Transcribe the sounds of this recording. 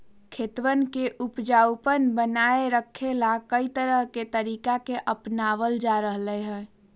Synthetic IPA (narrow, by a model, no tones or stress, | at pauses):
kʰeːt̪ʋənkeʔupd͡ʒawpənbənaeɾəkʰːelakəit̪əɾəɦket̪əɾiːkakeʔəpnaʋəld͡ʒaɾəɦləɦɛ